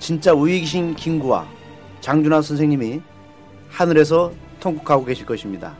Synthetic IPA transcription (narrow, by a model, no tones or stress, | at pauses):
t͡ɕint͡ɕ͈auiɡiɕ̬ʰinkiŋɡuwa̰ | t͡ɕaŋd͡ʑunansʰʌnsʰe̞ŋɲimi | hanɯɾe̞s̬ʰʌ | tʰoŋkukʰaɡoɡe̞ɕʰiɭk͈ʌɕʰimɲida̰